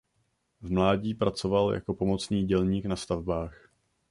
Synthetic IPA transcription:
vmlaːɟiːpɾat͡so̞valja̰ko̞po̞mo̞t͡sniːɟɛlɲiːknast̪avbaːx

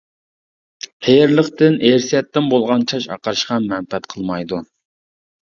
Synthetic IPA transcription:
qʰeɾlˠəχt̪ɪnʔeɾsijɛt̪ːɪnbolˠʁɑnt͡ʃʰɑʃɑ̰qɑɾɨʃqɑmɛnpɛt̪qʰəlˠmɑjd̪u

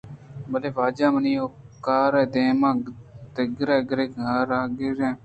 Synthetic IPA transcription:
bəleːʋaːd͡ʒaːməniːoːkaːɾɛːd̪eːmãːt̪eɡɾeːɡɾeːɡaːɾaːɡɪɾɛ̃ː

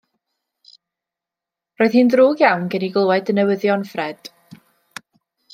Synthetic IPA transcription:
roːð̥hiːndruːɡjawnɡɛniɡlˠwɛdənɛwəðjɔnfrɛd̥

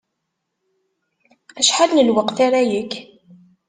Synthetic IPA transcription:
æʃħalnəlwəqθaɾæjək

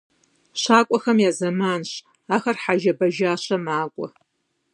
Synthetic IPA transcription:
ɕaːkʷʼɔxɐmjaːzɐmaːnɕ | aːxɐrħaʒɐbɐʒaːɕɐmaːkʷʼɔ

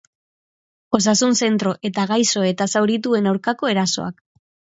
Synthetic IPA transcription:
o̞sasunse̞nt̪ɾo̞ʔe̞t̪aɣajso̞e̞t̪asawɾit̪ue̞nawɾkako̞e̞ɾaso̞̰a̰k

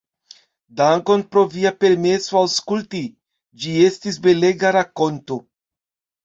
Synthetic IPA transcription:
daŋko̞npɾo̞viape̞ɾmesoawskulti | d͡ʒie̞stisbe̞le̞ɡaɾako̞nto̞

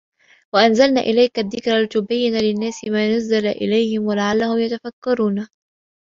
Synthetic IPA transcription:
waʔanzalna̰ːʔɪlajkaðːɪkɾalt̪ʊbajːɪnalɪnːaːsɪmaːnazːalaʔɪ̰lajhɪmwalaʕalːahʊmjat̪afakːɑɾˤuːna

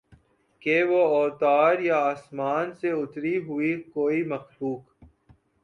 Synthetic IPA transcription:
keʋoɔːt̪aːɾjaaːsmaːnseʊt̪ɾiɦʊikoːimɐxluːk

